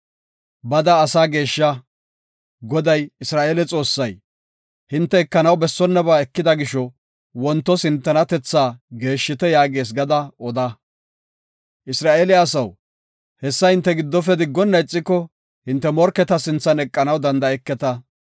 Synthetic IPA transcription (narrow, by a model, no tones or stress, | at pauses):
bɐd̪ɐːsaːɡe̞ːʃːɐ | ɡɔd̪ɐjɪsɾaːʔeːlɛt͡sʼo̞ːsːɐj | hɪnt̪ːɛɛkːɐnɐwbɛsːɔnːɐbaːɛkːɪd̪ɐɡɪʃɔ | wɔnt̪ːɔsɪnt̪ːɐnɐt̪ɛt͡sːaːɡe̞ːʃːɪt̪ɛjaːɡe̞ːs̬ɡɐd̪ɐɔd̪ɐ | ʔɪsɾaːʔelɪɐsɐw | hɛsːɐhɪnt̪ːɛɡɪd̪ːɔfɛd̪ɪɡːɔnːɐjt͡sʼːɪkːɔ | hɪnt̪ːɛmɔɾkːɛt̪ɐsɪnt͡sːɐnɛkʼːɐnɐwd̪ɐnd̪ɐɛkːɛt̪ɐ